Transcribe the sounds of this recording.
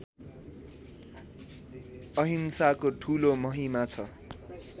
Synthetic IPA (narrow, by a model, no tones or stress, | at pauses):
ʌɦinsakoʈʰulomʌɦimat͡sʰʌ